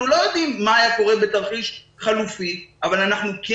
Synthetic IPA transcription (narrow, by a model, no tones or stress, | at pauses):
ulo̞jo̞d̪imːaːjako̞ʁe̞bet̪aʁχiʃ | χalufiʔavalanaχnuke